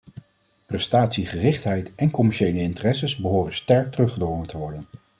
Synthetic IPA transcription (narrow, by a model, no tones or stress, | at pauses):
prɛstaːtsiχərɪχtɦɛjtɛnkɔmɛɹʃejləɪntərɛsəsbəɦoːrənstɛɹk̚tərɵχədɔŋəntəʋɔɹdən